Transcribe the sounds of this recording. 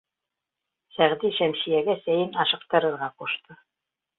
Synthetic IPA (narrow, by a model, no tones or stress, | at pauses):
sæʁd̪iʃæmʃijæɡæsæjɘnɑʃɤ̆qt̪ɤ̆ɾɤ̆ɾʁɑquʃt̪ɤ